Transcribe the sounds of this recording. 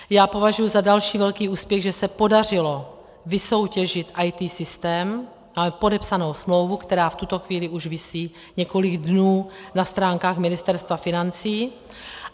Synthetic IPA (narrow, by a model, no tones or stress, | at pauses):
jaːpo̞vaʒujuzadalʃiːvɛlkiːuːspjɛɣʒɛsɛpo̞darɪlo̞ | vɪso̞wcɛʒɪt̪ʔajt̪iːsɪst̪ɛːm | amɛpo̞dɛpsano̞wsmlo̞wvukt̪ɛɾaːft̪ut̪o̞xviːlɪʔuʒvɪsiː | ɲɛko̞lɪɡdnuːnast̪ɾaːŋkaːxmɪnɪst̪ɛɾst̪vafɪnant͡siː